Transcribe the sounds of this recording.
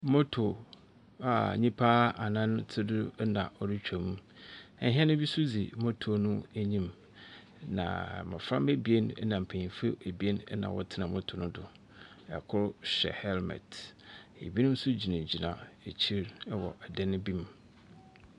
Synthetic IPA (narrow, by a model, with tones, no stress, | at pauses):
mo˦tʰo˨ | a˨ɲĩ˦pʰaː˦a˨nã˦n˦tʰɪ˦dʊ˦nã˨ɔ˦dɪ˦t͡ɕᶣʰa˨mũ˦ɛ˨ɦɛ˦nʊ̃˦bi˦sʊ˦d͡zḭ˨mo˦tʰo˨o˨nʊ̃˦æ˦ɲĩ˦m | nã̰˨mã̰˨fɾã˦me˦bi˨˦e˦nɛ˦nã˨m̩˨pʰæ˨ɲĩ˨fe˦e˨bi˦e˦nɛ˦nã̰˨wɔ̰˦tʰɪ˦nã˨mɔ˦tʰʊ˨nʊ̃˦dʊ˨ | ɛ̰˨kʰʊ˦ɾɕɛ̰˨hɛ˦lmɛ̰˨t | ḛ˨bi˦nʊ̃˦n̩˦sʊ˦d͡ʑi˨nã˨d͡ʑi˨nã̰˨e˨t͡ɕʰi˦ɾɛ˦wɔ̰˨ʔɛ˨dɛ˦nɪ̃˦bi˦m